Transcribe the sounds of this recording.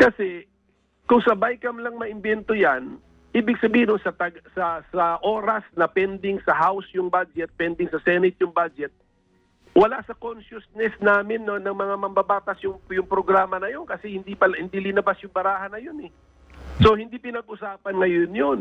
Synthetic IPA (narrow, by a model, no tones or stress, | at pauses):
kɐsɛ | kʊŋsɐbajkɐmlɐŋmɐʔɪmbɛnt̪ojan | ʔiːbɪɡsɐbiːhɪnosɐt̪ɐɡsɐsɐʔoːɾɐsnɐpɛnd̪ɪŋsɐhawsjʊŋbad͡ʒɛt̪̚pɛnd̪ɪŋsɐsɛnɪt̪̚jʊŋbad͡ʒɛt̪̚ | wɐlaʔsɐkonʃʊsnɛsnaːmɪnːonɐŋmɐŋamɐmbɐbaːt̪ɐsjʊŋjʊŋpɾoɡɾaːmɐnɐjo̞nkɐsɛhɪnd̪ipɐlhɪnd̪ilɪnɐbasjʊŋbɐɾaːhɐnɐjonɛ | so̞hɪnd̪ipɪnɐɡ̚ʔʊsaːpɐnŋɐjonjon